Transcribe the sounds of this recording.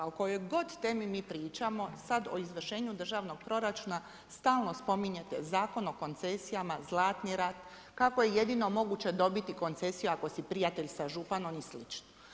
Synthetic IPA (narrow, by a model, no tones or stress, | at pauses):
oko̞jo̞jɡo̞d̪t̪eːmimiːpɾiːt͡ʃamo̞sad̪o̞izʋr̩ʃe̞ːɲud̪r̩ʒaːʋno̞ɡ̥̚pɾo̞ɾat͡ʃuːna | st̪aːlˠno̞spo̞miɲe̞t̪e̞zaːko̞no̞ko̞nt̪sesijamazlˠaːt̪niɾat̪ | kako̞je̞je̞d̪ino̞mo̞ɡuːt͡ɕe̞d̪o̞bit̪iko̞nt̪se̞sijuako̞sipɾijat̪e̞ʎsaʒupano̞mislit͡ʃno